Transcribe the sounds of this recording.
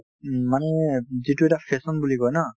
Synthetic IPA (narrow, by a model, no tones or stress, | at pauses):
manɛzituɛtafʰɛsɔnbuliɡɔjna